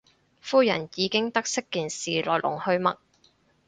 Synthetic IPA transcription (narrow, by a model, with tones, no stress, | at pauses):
fuː˥jɐ̰˨˩njiː˨˧kɪ˥ŋt̪ɐ˥k̚sɪ˥kːiː˨nsiː˨lɔ̰ː˨˩jlʊ̰˨˩ŋhɵ˧ɥmɐ̰˨k̚